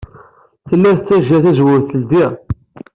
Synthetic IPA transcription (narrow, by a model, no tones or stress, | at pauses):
θəlːæθət͡sːæʒæθæzwʊɾθəld̪i